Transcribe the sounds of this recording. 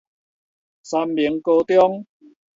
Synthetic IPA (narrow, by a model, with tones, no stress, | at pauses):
sa˧mːi˨˦ə˦ŋko˧t̪jɔ˦ŋ